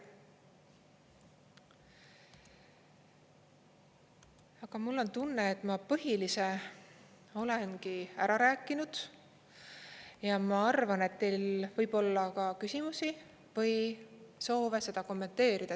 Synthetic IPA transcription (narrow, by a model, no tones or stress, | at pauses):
ɑɡ̥ɑmulːo̞nt̪unːe̞ːt̪ːˑmɑpɤɦilise | o̞le̞nɡiæɾɑɾæːkːˑinud̪̥ | jɑmɑɑrvɑne̞t̪ːejlvɤjb̥o̞lːɑkɑkysimusi | vɤjso̞ːvese̞d̪̥ɑko̞mːe̞nt̪ːe̞ːɾid̪̥ɑ